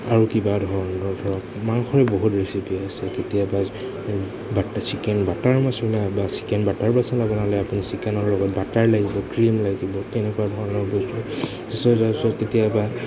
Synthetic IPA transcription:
aɹukibadʱɔɹnɔdʱɔɹɔkmaŋxɔɹɛboɦutɹesipiasɛketijaba | basikɛnbataɹmasɔblabasi̥kɛnbataɹpasãlabɔnalɛapunisikɛnɔɹlɔɡɔt̚bataɹlaɡibɔkɹimlaɡibɔtɛnɛkuwadʱɔɹɔnɔɹbɔztu | tisɔzasɔketijaba

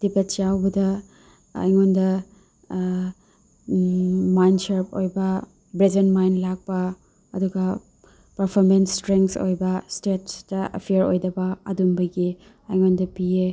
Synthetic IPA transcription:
d̥ipet̚t͡ʃawbɐdɐ̰ː | jŋondɐ | majndsɐɾp̚o̰jbɐ | bɾed͡ʒenmajnlak̚pɐ | ɐduɡɐ | pɐɾpʰoɾmenstɾeŋkso̰jbɐstetstɐɐ̰pʰijɐɾo̰jdɐbɐɐ̰dumbɐɡi | ɐjŋondɐpie

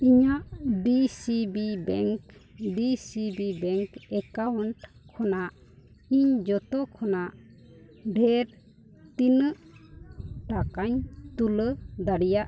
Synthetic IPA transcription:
iɲaʔbisibibɛŋkbisibibɛŋkɛkawɳʈkʰːɔnaʔ | iɲd͡ʒɔt̪ɔkʰɔnaʔ | ɖʱɛɾ | t̪inəʔ | ʈakaɲt̪uləd̪aɽijaʔ

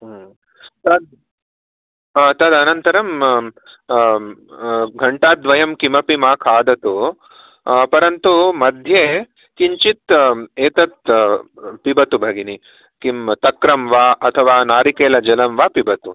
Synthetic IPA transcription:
t̪ɐd̪̚ | t̪ɐd̪ɐnɐnt̪ɐɾɐm | ɡʱɐɳʈaːt̪̚d̪ʋɐjɐmkimɐpimaːkʰaːd̪ɐt̪u | pɐɾɐnt̪umɐd̪ʱje | kiɲt͡ʃit̪eːt̪ɐt̪̚ | pibɐt̪ubʱɐɡini | kimt̪ɐkɾɐmʋaːʔɐt̪ʰɐʋaːnaːɾikeːlɐd͡ʒɐlɐmʋaːpibɐt̪u

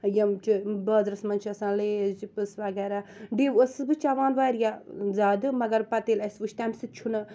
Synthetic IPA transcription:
jɐmt͡ʃibɐːzɾɐsmɐnt͡ʃʰɐsãːnleːzd͡ʒipɨsʋɐɡɛːɾaɖeːʋəsɨbɨt͡ʃaʋaːnʋaːɾjazaːd̪ɨmɐɡɐɾpɐt̪eːlɐsʋuʃʰt̪amsɨt̪̚t͡ʃʰunɐ

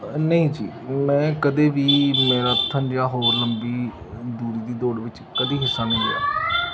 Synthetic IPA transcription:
nəĩːd͡ʒḭːmɛ̃ːkəd̪eːʋiːmeːɾaːt̪ʰːənd͡ʒãːɦoːɾləmbiː | d̪uːɽiːd̪iːd̪oːɽʋɪt͡ʃ | kəd̪iːɦɪsːãːnə̃ĩːɡa̰ː

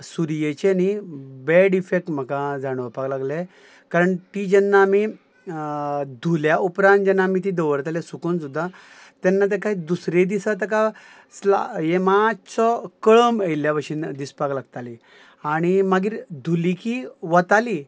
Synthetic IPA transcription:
suɾijet͡ɕenibɛɽifek̚ʈm̤əkãd͡zaɽ̃əpaklaɡle | kaɾəɳt̪id͡ʑɛnːami | d̪ʱuljaʔupɾãnt̪d͡ʑɛnːamiːt̪̬id̪əʋəɾt̪alesukunsud̪ʱːa | t̪ɛnːat̪̬ekaɦid̪usɾed̪isat̪̬ek̬a | sla̰jemat͡sɔkəɭəməjljaʋəɕind̪ispaklaɡt̪ali | aɽ̃imaɡiːɾd̪ʱulikiʋət̪ali

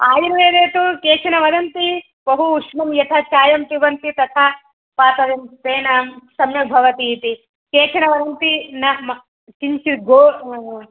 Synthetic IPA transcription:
aːjiɾʋeːd̪eːt̪ukeːt͡ʃʰɐnɐʋɐd̪ɐnt̪i | bɐɦuːʂmɐmjɐt̪ʰɐt͡ʃaːjɐmt̪iʋɐnt̪it̪ɐt̪ʰɐ | paːt̪ɐʋemt̪eːnɐmsɐmjɐbʱɐʋɐt̪iːt̪i | keːt͡ʃʰɐnɐʋɐd̪ɐnt̪inɐɦmɐ | t͡ʃint͡ʃiɡoː

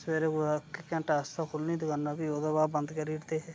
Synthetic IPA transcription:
seːɾeːakɪkɛ̃ːɳʈaːst̪akʰʊlniːd̪ɪɡaːnːaːbiːoːd̪abaːbə̃nd̪kəɾiːɾt̪eːɦɛː

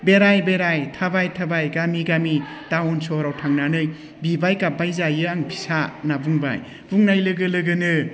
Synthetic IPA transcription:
beɾajbeɾajtʰabajtʰabajɡamiɡami | tawɔnsoɾawtʰaŋnanɯj | bibajkabajzajɯaŋbʰi̥sanabuŋba̰j | b̥uŋnajlɯɡɯlɯɡɯnɯ

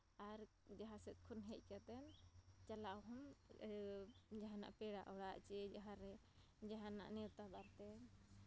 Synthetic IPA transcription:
aɾ | d͡ʒaɦãsɛt̪̚kʰunɦɛc̚ˀkat̪ɛnt͡ʃalaʔwɦɔm | d͡ʒaɦana̰ʔpɛɽaʔɔɽaʔt͡ʃɛd͡ʒaɦaɾɛ | d͡ʒaɦana̰ʔniwt̪abaɾt̪ɛn

